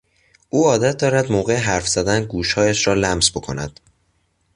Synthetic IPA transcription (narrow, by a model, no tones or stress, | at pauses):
ʔuːɒːd̪æt̪̚ʰd̪ɒːɾæd̪moːɣe̞eɦæɾfz̥æd̪ænɡuːʃhɒːjæʃɾɒːlæmsbo̞kʰo̞̰næ̰d̪̥